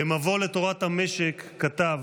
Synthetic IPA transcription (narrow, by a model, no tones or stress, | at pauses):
emavolet̪o̞ʁat̪hame̞ʃekːat̪av